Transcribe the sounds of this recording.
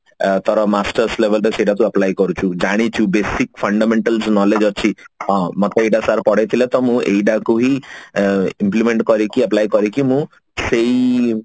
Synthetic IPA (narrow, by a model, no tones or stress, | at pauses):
t̪ɔɾɔmasʈəɾsleʋəlɾeseiɖat̪ũəplajkɔɾut͡ʃʰud͡ʒaɽ̃it͡ʃʰubesikfʰəɳɖameɳʈəlsnɔled͡ʒɔt͡ʃʰiɦɔ̃mɔt̪ɔeɖasaɾpɔɽejt̪ʰilet̪ɔmũḛiɖakuɦi | implimeɳʈkɔɾikiɐplajkɔɾikimũ | sei